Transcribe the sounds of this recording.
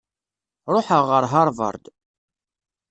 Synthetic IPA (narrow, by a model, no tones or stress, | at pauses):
ɾˤoħəʁːəɾɦɑɾˤvə̰ɾˤd̪